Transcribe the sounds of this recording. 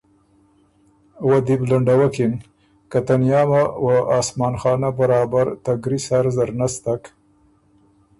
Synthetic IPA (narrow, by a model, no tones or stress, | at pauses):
wad̪iblaɳɖawakɪn | kat̪anjɑmawaɑːsmɑːnxɑːnabaɾɑːbaɾt̪aɡɾisaɾzaɾnast̪ak